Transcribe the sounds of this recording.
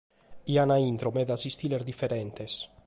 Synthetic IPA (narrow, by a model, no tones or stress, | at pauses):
ianaint̪ɾomed̪asist̪ileɾd̪ifeɾent̪es